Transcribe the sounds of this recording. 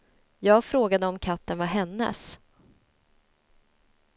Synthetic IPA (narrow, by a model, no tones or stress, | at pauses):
jɑːɡfɾoːɡad̪əɔmkʰat̪ːənvaɦɛnːə̰s